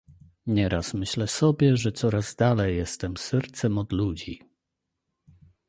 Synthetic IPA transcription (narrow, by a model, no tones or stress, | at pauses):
ɲɛɾasmɘɕlɛsɔbʲjɛʐɛt̪sɔɾazd̪alɛjːɛst̪ɛmsɛɾt̪sɛmɔd̪lud͡ʑi